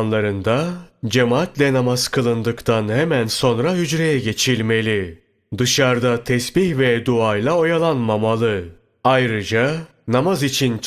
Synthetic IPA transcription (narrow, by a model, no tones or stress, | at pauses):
nlˠaɾɯnd̪ad͡ʒe̞maːt̪lʲɛnamaz̥kʰɯlˠɯnd̪ɯkt̪ʰanhemænso̞nɾaɦyd͡ʒɾe̞jɛɟe̞t͡ʃʰilʲme̞lʲi | d̪ɯʃaɾd̪at̪ʰɛsbiçvɛd̪uajlˠao̞jalˠanmamalˠɯ | ajɾɯd͡ʒa | namazit͡ʃʰint͡ʃ